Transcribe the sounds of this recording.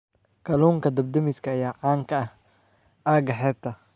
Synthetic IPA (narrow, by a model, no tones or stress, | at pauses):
kʰɐluːŋkʰɐd̪ɐbd̪ɐmɪskʰɐːjaːʕaːŋkʰɐɐh | aːɡɐħɛːb̚t̪ʰɐ